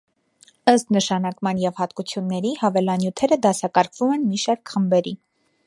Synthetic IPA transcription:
əst̪nəʃɑnɑkmɑnjɛvhɑt̪kut͡sʰjunːɛɾihɑvɛlɑnjut̪ʰɛɾəd̪ɑsɑkɑɾkʰvumɛnmiʃɑɾkʰχəmbɛɾi

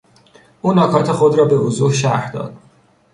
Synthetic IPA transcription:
ʔuːnɒːkʰɒːt̪ʰexod̪ɾɒːbe̞ozuhʃæɾhd̪ɒ̰ːd̪̥

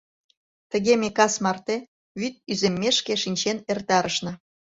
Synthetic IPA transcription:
t̪ə̆ɣemekɑsmɑrt̪e | βyt̪̚yzemːeʃkeʃinʲt͡ɕenert̪ɑɾəʃnɤ̆

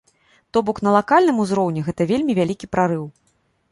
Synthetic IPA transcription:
t̪ɔbɔknɐlˠakalʲnɨmuzɾɔwnʲɛɣɛt̪ɐvʲelʲmʲivʲalʲikʲipɾaɾɨw

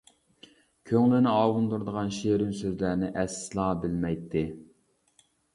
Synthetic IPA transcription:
kʲʰøŋlɪnɪɑːwund̪uɾd̪əʁɑnʃeɾɪmsøzlæɾnɪʔɛslˠɑːbɪlmɛjt̪ʰːɪ

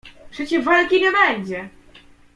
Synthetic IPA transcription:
pʂɛt͡ɕɛʐvalkʲiɲɛbɛɲd͡ʑɛ

